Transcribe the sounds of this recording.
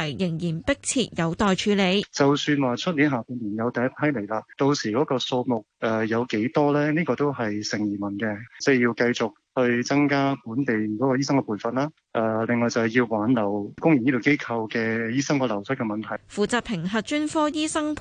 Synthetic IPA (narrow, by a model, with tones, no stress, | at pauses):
jjɪ˨˩ŋjiː˨˩npɪ˥k̚t͡sʰiː˧t̚jɐ˨˧wt̪ɔː˨jt͡ʃʰyː˨˧le˨˧˥jt͡sɐ˨wsyː˧nwaː˨t͡ʃʰɵ˥t̚li˨˥nɦaː˨puː˧nliː˨˩njɐ˨˧wt̪ɐ˨˧jɐ˥tpʰɐ˥jle˨˩jlaː˧t̪o˧wsiː˨˩kɔː˨˥kɔː˧so˧wmʊ˨k̚ʔɛ˨˧jɐ˨˧wke˨˥jt̪ɔː˥lɛː˥niː˥kɔː˧t̪o˥wɦɐ˨jsɪ˨˩ŋjiː˨˩mɐ˨˩nkɛ˧t͡sɛ˥˩jiː˧wkɐ˧jt͡sʊ˨k̚hɵ˧ɥt͡sɐ˥ŋkaː˥puː˨˥nt̪e˨jkɔː˨˥kɔː˧jiː˥sɐ˥ŋɛː˧pʰuː˨˩nfɐ˨nlaː˥ | ʔɛ˨˧lɪ˨ŋːɔː˨jt͡sɐ˨whjiː˧wwaː˨˥nlɐ˨˩wkʊ˥ŋjyː˨˩ni˥t̪o˨wke˥jkʰɐ˧wkɛː˧jiː˥sɐ˥ŋkɔː˧lɐ˨˩wsʰɐ˥t̚kɛ˧mɐ˨nt̪ʰɐ˨˩jfuː˨t͡saː˨˩pʰɪ˨˩ŋɦɐ˨t̚t͡ʃyː˥nfɔː˥jiː˥sɐ˥ŋpʰ